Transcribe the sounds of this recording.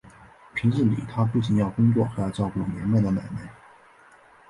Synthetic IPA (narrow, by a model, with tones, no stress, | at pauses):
pʰi˧˥ŋʂə˥˩nlḭ˨˩t̪ʰa˥pu˥˩t͡ɕi˨˩njɑ˥˩ʊkʊ˥ŋt͡swɔ̰˥˩xa˧˥jɑ˨˧˩t͡ɕɑ˥˧ʊku˥˩lə˧˩njɛ˧˥nma˥˩ɪd̪ə˩ma˨˩ɪme˥˩ɪ